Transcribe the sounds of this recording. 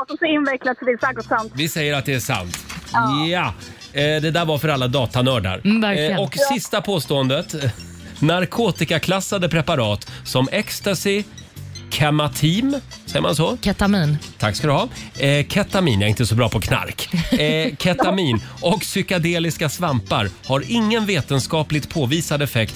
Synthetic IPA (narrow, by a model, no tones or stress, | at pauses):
ɔsɪnvɛklad̪sd̪ɪsɛɡɔtsant̪vɪsɛjːəɾat̪̚d̪ɛæʂa̰nt̪ | a | d̪ɛd̪æːɾvaɾfœɾalːad̪ɑːt̪anœːɖa̰ɾæɾɔksɪst̪apʰoːst̪oːənd̪ət̪ | naɾkʰoːt̪ɪkakʰlasːad̪əpʰɾɛpaɾɑːt̪sɔmɛkst̪asɪ | kʰɛmat̪ʰiːmsɛjə̰ɾma̰nsɔkʰɛt̪amiːnt̪ʰakːskad̪ɵhɑːkʰɛt̪amḭːnjaɾɪnt̪əsɔbɾɑːpʰɔkʰna̰ɾk | kʰɛt̪amiːnɔksʏkad̪eːlɪskasvampa̰ɾhaɾɪŋːənveːt̪ənskɑːplɪɡt̪pʰoːviːsad̪ɛfɛkt̪